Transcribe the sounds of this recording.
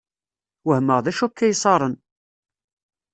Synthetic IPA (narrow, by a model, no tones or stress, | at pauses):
wəhməʁðæʃukːæjsˤɑɾˤən